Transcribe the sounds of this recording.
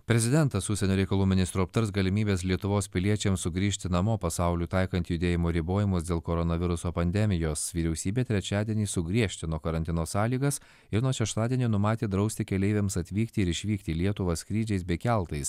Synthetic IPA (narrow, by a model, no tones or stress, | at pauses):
pʲɾʲɛzʲɪd̪ʲɛnt̪ɐsʊʃsʲɛnʲoːɾʲɛɪkɐlˠuːmʲɪnʲɪst̪ɾuɐpt̪ɐɾsɡɐlʲɪmʲiːbʲeːslʲiɛt̪ʊʋoːspʲɪlʲiɛt͡ʃʲɛmsʊɡɾʲiːʃʲt̪ʲɪnɐmoːpɐsɑˑʊlʲuːt̪ɐɪkɐnt̪ʲjʊd̪ʲeːjɪmoːɾʲɪboːjɪmʊsd̪ʲeːlˠkɔɾɔnɐʋʲɪɾʊsoːpɐnʲd̪ʲɛmʲɪjoːsʋʲiːɾʲɛʊsʲiːbʲeːt̪ʲɾʲɛt͡ʃʲæːd̪ʲiɛnʲiːsʊɡɾʲiɛʃʲt̪ʲɪnuɔkɐɾɐnʲt̪ʲɪnoːsɑːlʲiːɡɐs | ɪɾnuɔʃʲɛʃt̪ɑːd̪ʲiɛnʲiːnʊmɑːt̪ʲeːd̪ɾɐʊsʲt̪ʲɪkʲɛlʲɛɪʋʲɛmsɐt̪ʲʋʲiːkt̪ʲɪɪɾɪʃʲʋʲiːkt̪ʲiːlʲiɛt̪ʊʋɐskɾʲiːd͡ʒʲɛɪsbʲɛɪkʲælˠt̪ɐɪs